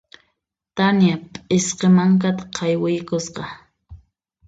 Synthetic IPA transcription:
t̪anjapʼɪsqemaŋk̬at̪ḁqʰɑjwɪjkʊsqɑ

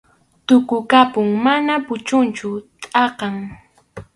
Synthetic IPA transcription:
t̪ʊkʊkapʊŋmanapʊt͡ʃʊnt͡ʃʊt̪ʼɑqɑŋ

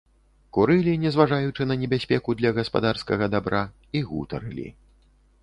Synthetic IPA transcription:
kuɾɨlʲinʲɛzvaʐajut͡ʂɨnɐnʲɛbʲasʲpʲɛkud̪lʲɐɣɐspa̰d̪arskɐɣɐd̪abɾa | iɣṵt̪ɐ̰ɾɨlʲḭ

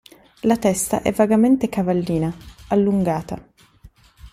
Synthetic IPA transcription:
lat̪ɛst̪a̰ʔɛ̰vːaɡament̪ekavalːiːnaalːuŋɡaːt̪a

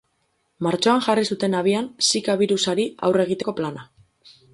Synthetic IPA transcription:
maɾt͡ʃo̞aŋʝarisut̪e̞naβ̞iansikaβiɾusaɾia̰wre̞ɣ̞it̪e̞ko̞plana

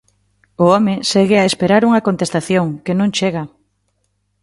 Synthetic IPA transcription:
ʊɔmeseɣeaespeɾaɾuŋɐkont̪est̪aθjoŋkenõŋt͡ʃeɣa

